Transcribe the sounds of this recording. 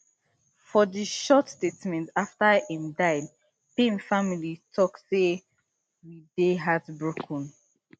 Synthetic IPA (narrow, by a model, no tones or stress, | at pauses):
fɔðəʃɔtstetmɛ̃ntaftəĩmdaɪd | pẽnfamilitʰɔkse | wideɦadbɹokʰɔ̃n